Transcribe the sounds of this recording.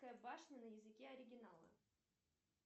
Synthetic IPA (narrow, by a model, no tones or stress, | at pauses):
kəjəbaʂnʲənəjɪzɨkʲeɐɾʲɪɡʲɪnalˠə̰